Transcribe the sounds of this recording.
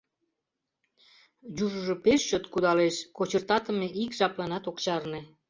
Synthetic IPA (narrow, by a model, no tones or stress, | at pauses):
juʒəʒopeʃːot̪kud̪ɑleʃkot͡ɕərt̪ɑt̪ə̆meʔikʒɑplɑnɑt̪okt͡ɕɑrnĕ